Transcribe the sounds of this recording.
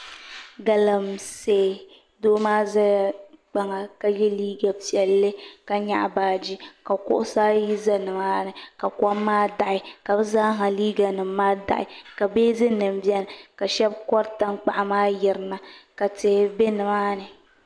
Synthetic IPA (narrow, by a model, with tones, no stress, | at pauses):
ɡa˨la˨mseː˨ | doː˦maː˦za˦˨k͡pa˨ŋa˨ka˦jɛ˦liː˦ɡa˨pi˨ɛ˨lːɨ˦ka˦ɲa̰˦ʔa˨baː˨d͡ʒi˦ka˨kʊ̰˦ʔʊ˦saː˦ji˦za˦nɨ˨maː˦nɨ˨ka˨kʷa˦mːaː˦da˨ʔɪ˨ka˨bzaː˦ɦa˨liː˦ɡa˨nɨ˨mː˦aː˦da̰˨ʔɪ̰˨ka˨beː˦zɨ˦nɨ˨m˦bjɛ˦n˨ka˨ʃɛ˦bkɔ˦ɾta˦nk͡pa˨ʔa˨maː˦jɪ˨ɾɨ˨˦na˨ka˨tɪ˨be˦nɨ˨maː˦nɨ˨